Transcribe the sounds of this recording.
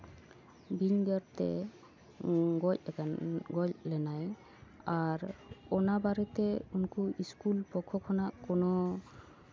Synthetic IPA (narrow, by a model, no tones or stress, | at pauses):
biɲɡəɾt̪ɛ̰ | ɡɔc̚ | ɡɔclɛnaj | aɾɔnabaɾɛt̪ɛunkuiskulpɔkʰɔkʰɔnaʔkɔnɔ